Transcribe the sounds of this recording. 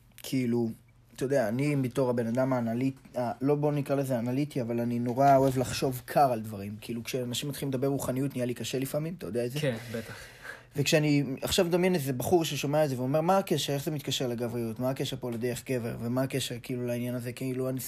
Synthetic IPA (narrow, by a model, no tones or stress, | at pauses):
kʰiilu | t̪ajodeaːnimito̞ʁabe̞nadamaːnalitalo̞bo̞nikʁalezeanalitiavalanino̞ʁao̞evlaχʃo̞vkʰaʁald̪vaʁimkiilukʃeanaʃimat̪χilimed̪abe̞ʁʁuχanijut̪nijalikaʃelifamimt̪ajod̪eaezebet̪aχ | vekʃeaniaχʃavd̪amjenezebaχuʁʃeʃomeatzeveome̞ʁmaːkeʃeʁeχzemit̪kaʃeʁleɡavʁijutmaːkeʃeʁpo̞led̪eʁeχɡe̞ve̞ʁvemaːke̞ʃeʁkiilulainjanazekiiluani